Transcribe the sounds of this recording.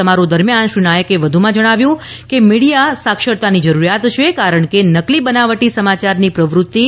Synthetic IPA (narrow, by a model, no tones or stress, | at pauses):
əmaɾud̪əɾmjanʃɾinajəkeʋəd̪ʱumãd͡ʒəɽ̃aʋjũ | kemiɽijasakʃəɽt̪anid͡ʒəɾuɾjat̪t͡ʃʰekaɾəɳkenəklibənaʋəʈisəmat͡ʃaɾnipɾəʋɾut̪ːi